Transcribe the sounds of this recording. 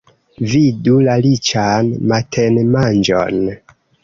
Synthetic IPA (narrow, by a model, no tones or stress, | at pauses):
vidulalit͡ʃanmatʰenmand͡ʒo̰n